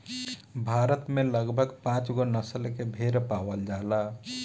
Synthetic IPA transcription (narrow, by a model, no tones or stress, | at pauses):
bʱaɾət̪meləɡbʱəɡpãt͡ʃɡonəsəlkebʱeɾpawəld͡ʒala